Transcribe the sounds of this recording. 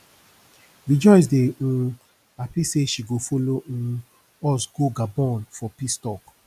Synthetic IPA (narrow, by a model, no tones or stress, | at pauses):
wid͡ʒɔɪs̬deũ | apiseʃiɡofoloũ | ɔsɡoɡabɔ̃nfɔpistɔk